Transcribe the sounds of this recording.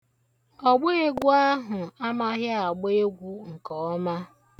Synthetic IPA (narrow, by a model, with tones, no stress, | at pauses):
ɔ˨ɡ͡be˦e˦ɡʷu˦a˦ɦʊ˨a˦ma˦ɦja˦a˨ɡ͡be˦e˦ɡʷu˦ŋ̩˨kɔ˨ɔ˦ma˦